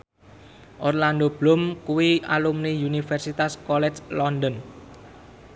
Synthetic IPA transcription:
ʔɔrland̪ob̥lʊmkuwialumniunifɛrsit̪askɔlɛt͡ʃlɔnd̪ən

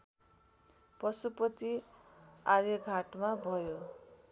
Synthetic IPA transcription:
pʌsupʌt̪i | arjʌɡʱaʈmabʱʌjo

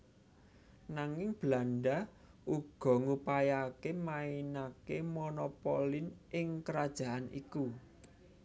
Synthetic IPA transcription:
naŋɪŋb̥lanɖa | ʔuɡ̥ɔ̤ŋupajakemainakemonɔpolinʔɪŋkəɾad̥ʒ̥a̤ʔanḭku

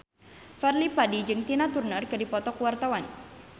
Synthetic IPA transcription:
fɛrlipadid͡ʒɨŋt̪inat̪urnərkɨdipɔt̪ɔkuwart̪awan

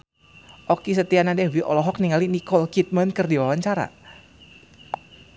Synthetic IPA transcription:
ʔɔkis̬ət̪ianadɛwiʔɔ̰lɔɦɔk̚niŋalinikɔlkit̪̚mənkərdiwawaɲt͡ʃaɾa̰

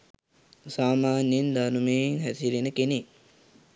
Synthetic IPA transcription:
saːmaːnjend̪anumeːŋɦæt̪iɾenəkene

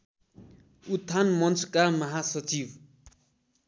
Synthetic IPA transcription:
ut̪ʰːanmʌnt͡skamʌɦasʌt͡sib

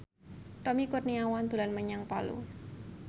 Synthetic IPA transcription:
t̪ɔmikʊrniawand̪ulanməɲaŋpalṵ

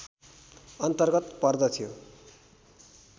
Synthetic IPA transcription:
ʌnt̪ʌrɡʌt̪pʌrd̪ʌt̪ʰijo

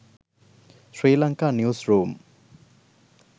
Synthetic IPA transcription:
sɹilaŋkanjusɹum

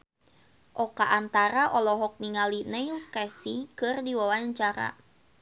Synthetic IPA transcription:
ʔɔkaʔːnt̪aɾaʔɔlɔɦɔk̚niŋalinɛjkɛsikɨrdiwawaɲt͡ʃaɾa̰

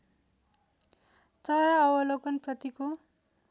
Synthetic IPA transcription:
t͡sʌɾaʌwʌlʌkʌnprʌt̪iko

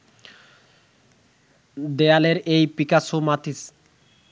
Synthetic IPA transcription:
d̪ealeɾejpikasomat̪is

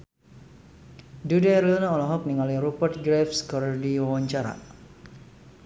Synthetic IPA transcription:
dudaɾlunaɔlaɦɔk̚niŋaliɾupərt̪̚ɡɾɛfskɔrdiwawaɲt͡ʃaɾa̰

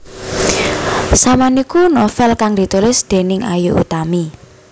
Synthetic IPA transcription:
samanikunɔfɛlkaŋd̪̥i̤t̪ulɪsd̪̥e̤nɪŋa̰juʔṵt̪ami

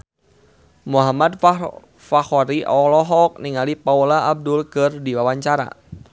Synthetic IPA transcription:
muɦamad̚f | faxɔɾiʔɔlɔɦɔk̚niŋalipaulaːb̚dʊlkɨrdiwawaɲt͡ʃaɾa̰

